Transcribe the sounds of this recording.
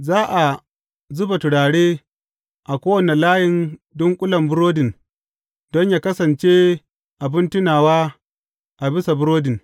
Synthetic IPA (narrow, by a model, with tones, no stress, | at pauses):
zaː˦ʔa˨ | zʊ˦ba˨tʊ˨ɽaː˨ɽeː˦ | ʔa˨kʷoː˦wɐ˨ne˨laː˦jɪ˨ndɔ˦ŋkʷʼʊ˦lɐ˨mbʊ˦ɾoː˦dɪ˨n | dɔ˦ɲjaː˦˨kɐ˦sɐ˨nt͡ʃeː˦ | ʔa˨bɪ˦ntɪ˦naː˨waː˦ | ʔa˨bɪ˦sa˨bʊ˦ɾoː˦dɪ˨n